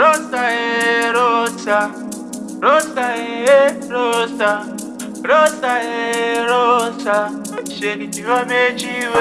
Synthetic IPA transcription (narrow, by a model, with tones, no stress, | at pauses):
ɾo˦sa˦e˨˦ɾo˦sa˧ | ɾo˦sa˦e˨e˦ | ɾo˦sa˦ | ɾo˦sa˦e˨˦ɾo˦sa˦ | ʃe˨ɾi˨ti˨wa˦me˦t͡ʃi˦w